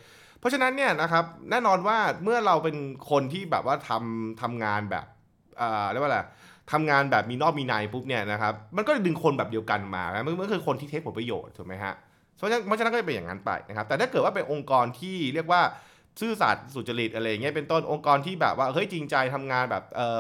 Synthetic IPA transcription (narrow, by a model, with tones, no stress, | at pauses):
pʰːɔ˦˥t͡ɕʰa˧na˦˥nːi˥˩ɐna˦˥kʰa˦˥p̚nɛː˥˩nɔː˧nwaː˥˩mɯ˥˩ɐɾa˧wpe˧nkʰo˧nt̪ʰiː˥˩bɛː˨˩p̚waː˥˩t̪ʰa˧mt̪ʰa˧mŋaː˧nbɛ̰ː˨˩p̚ | ʔɤː˨˩˧lwaː˥˩la˨˩t̪ʰa˧mŋaː˧nbɛː˨˩p̚miː˧nɔː˥˩k̚miː˧naː˧jpʰu˦˥p̚ni˥˩ɐna˦˥kʰa˦˥p̚ma˧nkɔ˥˩t͡ɕa˨dɯ˧ŋkʰo˧nbɛː˨˩di˧ə˧wka˧nma̰ː˧a˦˥ma˥˩m˥˧˥nkʰɯː˧kʰo˧nt̪ʰiː˥t̪ʰe˦˥pʰo˩˦pɾa˧jo̰ː˨˩t̪̚ʰːu˨˩˦ma˦˥jɦa̰˦˥ʔ | npʰɔ˥t͡ɕa˨˧˦nkɔ˥t͡ɕa˨pe˧nja̰˨˩ŋa̰˦˥npa̰˧jna˦kʰa˦˥t̪ɛː˨˩t̪aː˥˩kɤ˨˩t̪̚waː˥˩pe˧nʔo˧ŋkɔː˧nt̪ʰiː˥˩ɾi˥˩ək̚waː˥˩ | sɯː˥˩sa̰˨˩t̪̚su˨˩t̪̚t͡ɕa˧ɾi˨˩t̪̚ʔa˧ɾa˧ja˨˩ŋi˦˥ɐpe˧nt̪o˥˩nʔo˧ŋkɔː˧nt̪ʰiː˥˩bɛ̰ː˨˩p̚waː˥˩ʔɤ˦˥˩jt͡ɕi˧ŋt͡ɕa˧jt̪ʰa˧mŋaː˧nbɛː˨˩p̚ʔɤː˨˩